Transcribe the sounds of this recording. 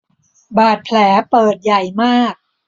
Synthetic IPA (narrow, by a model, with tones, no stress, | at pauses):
baː˨˩t̪̚pʰlɛː˩˦pɤː˨˩t̪̚ja˨˩jmaː˥˩k̚